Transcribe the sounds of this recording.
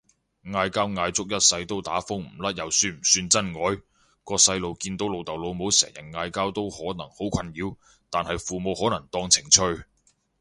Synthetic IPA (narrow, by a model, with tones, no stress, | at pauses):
ŋaː˧jkaː˥wŋaː˧jt͡sʊ˥k̚jɐ˥t̚sɐ˧jt̪o˥wt̪aː˨˥fʊ˥ŋm̩˨˩lɐ˥t̚jɐ˨˩wsyː˧m̩˨˩syː˧nt͡sɐ˥nŋɔː˨˥j | kɔː˧sɐ˧jlo˨˧wkiː˧nt̪o˨˥wlo˨˧wt̪ɐ˨wlo˨˧wmo˨˥wsɛ̰ː˨˩ŋjɐ˨˩n̚ŋaː˧jkaː˥wt̪o˥whɔː˨˥nɐ˨˩ŋho˨˥wkʷʰɐ˧njiː˨˧w | t̪aː˨nhɐ˨jfuː˨mo˨˧whɔː˨˥nɐ˨˩ŋt̪ɔː˧ŋt͡sʰɪ˨˩ŋt͡sʰɵ˧ɥ